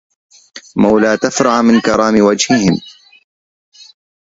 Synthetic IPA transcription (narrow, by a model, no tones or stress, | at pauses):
mawlaːt̪afɾˤɑʕmɪnkɑɾˤɑːmɪwad͡ʒhɪhɪm